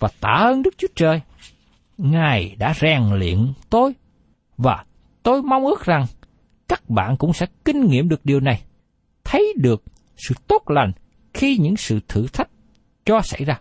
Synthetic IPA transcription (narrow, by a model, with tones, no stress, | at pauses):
vaː˨˩t̪a̰ː˧˩ʔə˧nɗɨ˦˥k̚t͡ɕu˦ət͡ɕəː˨˩j | ŋaː˨˩jɗa̰ː˧˥zɛː˨˩ŋlḭ˧˨ənt̪o˧j | vaː˨˩ | t̪o˧jma˧wŋ͡mʔɨ˦˥k̚za˨˩ŋ | kaː˦˥k̚ɓa̰ː˧˨nkʊ̰˧˥ŋ͡msɛ̰˧˥kï˧ŋ̟ŋḭ˧˨mɗɨ˨˩ək̚ɗi˨˩əwna˨˩j | t̪ʰə˨˦jɗɨ˨˩ək̚ | sɨ̰˧˨t̪o˦˥t̚la˨˩jŋ̟ | xi˧ɲɨ̰˧˥ŋsɨ̰˧˨t̪ʰɨ̰˧˨t̪ʰa˦˥jk̟̚ | t͡ɕɔ˧sa̰˧˩jzaː˧